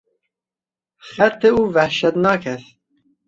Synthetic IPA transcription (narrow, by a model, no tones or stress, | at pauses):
xæt̪ʰeuːvæhʃɛt̪nɑːkʰɛθ